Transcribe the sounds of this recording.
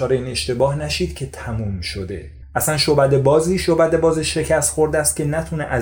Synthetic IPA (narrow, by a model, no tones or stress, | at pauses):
ɒːɾeiːne̞ʃt̪e̞bɒːhnæʃiːd̪̥̚cʰe̞t̪ʰæmuːmʃo̞d̪e̞ | ʔæsænʃobæd̪ebɒːziːʃobæd̪e̞bɒːzeʃe̞cʰæst̪xo̞ɾd̪æst̪cʰe̞næt̪ʰuneʔæ